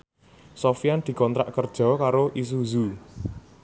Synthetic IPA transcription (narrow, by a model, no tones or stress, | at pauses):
sofiand̪̥i̤kɔnt̪ɾa̰ʔkərd̥ʒ̥ɔ̤kaɾoʔis̬uzu